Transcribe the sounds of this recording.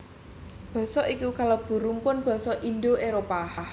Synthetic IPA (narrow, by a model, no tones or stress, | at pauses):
b̥ɔ̤sɔʔikukalob̥ṳɾumpʊnb̥ɔ̤sɔʔind̪oeɾopa